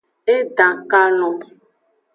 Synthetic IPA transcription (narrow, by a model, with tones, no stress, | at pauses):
e˦ta˨ka˦nɔ˨